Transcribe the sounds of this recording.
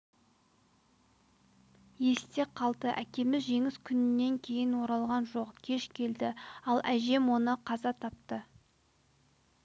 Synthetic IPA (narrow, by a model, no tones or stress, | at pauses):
je̞st̪e̞qʰɑlˠd̪əʔækʲe̞mɪzʒe̞ŋɪskʲʰʏnɪnːe̞ŋkʲʰe̞jɪnwo̞ɾɑlˠʁɑnʒo̞qkʲʰe̞ʃkʲʰe̞ld̪ɪɑlˠʔæʒe̞mwo̞nəqʰɑzɑt̪ʰɑp̚t̪ə